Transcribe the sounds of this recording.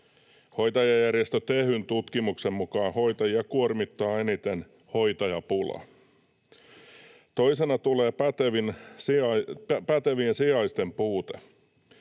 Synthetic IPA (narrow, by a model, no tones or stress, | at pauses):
ho̞jt̪ɑjɑjærjest̪øt̪ehynt̪ut̪kimukse̞mmukɑːho̞jt̪ɑjɑkuormit̪ːɑːe̞nit̪e̞n | ho̞jt̪ɑjɑpulɑ̰ | t̪o̞isenɑt̪uleːpæt̪eʋinsɑpæt̪eʋiːnsiɑjst̪e̞mpuːt̪e